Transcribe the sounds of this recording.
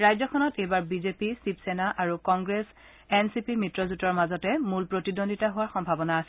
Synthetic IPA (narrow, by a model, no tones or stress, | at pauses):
ɹajzɔkʰɔnɔtejbaɹbizepisipsenaʔaɹukɔŋɡɹes | ɛnsipimitɹɔzutɔɹmazɔtɛmulpɹotidonditaɦʊwaɹxɔmbʱabɔnaːsɛ